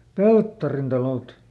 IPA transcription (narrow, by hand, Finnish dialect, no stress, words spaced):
peltːɑrin tɑloˑt